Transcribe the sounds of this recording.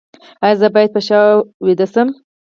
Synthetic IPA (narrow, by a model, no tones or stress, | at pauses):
ɑjɑzəbɑjad̪̚pəʃɑwid̪əsəm